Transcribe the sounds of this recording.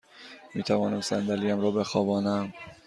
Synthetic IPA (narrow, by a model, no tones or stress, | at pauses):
miːt̪ʰævɒːnæmsænd̪æliːjæmɾɒːbexɒːbɒːnæm